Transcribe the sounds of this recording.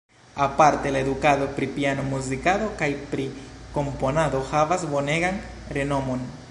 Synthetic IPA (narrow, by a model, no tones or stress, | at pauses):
apaɾt̪elaed̪ukaðopɾipianomuzikaðo̞kajpɾiko̞mponadoxavazbo̞neɡan | ɾeno̞mon